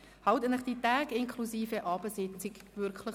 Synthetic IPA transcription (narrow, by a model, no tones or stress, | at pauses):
hɑwtənəχd̥itaːɡɪŋkʰlusiːfəʔɑːbəsɪt͡sɪkvʏɾkʰlə